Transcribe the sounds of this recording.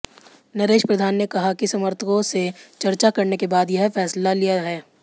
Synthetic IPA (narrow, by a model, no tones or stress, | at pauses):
nɐɾeːʃpɾɐd̪ʱaːnːekɐɦakisɐməɾt̪ʰəkõset͡ʃɐɾt͡ʃakɐɾnekebaːd̪jɐɦfɛːslalijaɦɛː